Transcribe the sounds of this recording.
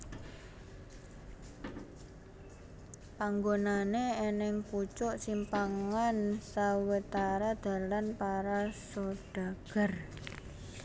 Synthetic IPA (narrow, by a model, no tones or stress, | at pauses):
paŋɡonaneenɪŋput͡ʃʊʔsimpaŋansawət̪aɾad̪̥ä̤lanpaɾasoɖ̥a̤ɡ̥ə̤r